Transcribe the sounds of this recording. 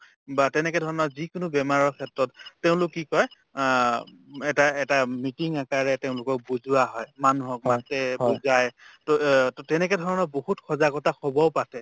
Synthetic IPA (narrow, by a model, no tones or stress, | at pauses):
batɛnɛkɛdʱɔɹɔnɔzikʊnʊbɛmaɹɔɹkʰɛtɹɔtːeʊ̃lʊkːikɔj | ɛtaɛtamitiŋakaɹɛteʊ̃lʊkɔk̚buzuwaɦɔjmanuɦɔk̚matɛbuzajtɔttɛnɛkɛdʱɔɹɔnɔbohutkʰɔzakɔtaxʰɔbɔʊpatɛ